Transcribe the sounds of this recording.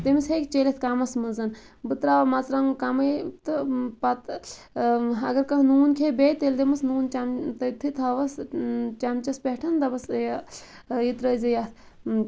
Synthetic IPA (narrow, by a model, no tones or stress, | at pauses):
t̪emisɦekt͡ʃelet̪ʰkamɐsmɨnzɐn | bɨt̪ɾamat͡sɾaŋkamɐjt̪ɨpɐt̪ | ɐ̰ɡɐɾkɐɦnuːnkʰebet̪eld̪emɨsnuːnt͡ʃamt̪ɐt̪ʰit̪ʰɐʋɐst͡ʃamt͡ʃɐspʲeʈʰɐnt̪ɐbɐsj | jit̪ɾɐzɐjat̪ʰ